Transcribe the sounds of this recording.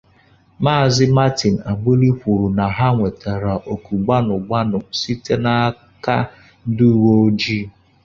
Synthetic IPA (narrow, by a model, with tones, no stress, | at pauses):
maː˦˨zɪ˦ma˦ti˨n̩˨a˨ɡ͡be˦li˦kʷu˨ɾu˨na˨ɦa˦ŋʷe˨ta˨ɾa˨ʔo˨ku˨ɡ͡ba˦nʊ˨ɡ͡ba˦nʊ˨si˦te˦na˦ | ka̰˦ | n̩˦du˦wo˦d͡ʒi˦